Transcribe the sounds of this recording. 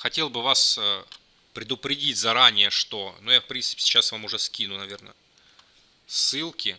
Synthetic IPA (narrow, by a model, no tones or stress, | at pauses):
xɐtʲe̞lˠbɨvasə | pɾʲɪd̪ʊpɾʲɪdʲitʲzɐɾanʲɪjəʂt̪onujafpɾʲint̪sɨ̥pʲɪsʲɪ̥t͡ɕːasvamʊʐɛskʲinʊnɐvʲe̞rnə̰ | sːɨlˠkʲɪ